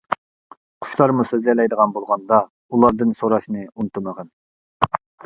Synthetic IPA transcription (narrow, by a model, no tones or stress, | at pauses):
qʰʊ̥ʃlˠɑɾmusøzlɪlɛjd̪əʁɑnbolˠʁɑnd̪ɑ | ulˠɑɾd̪ɨnsoɾɑʃnɨunt̪ʰuməʁɑn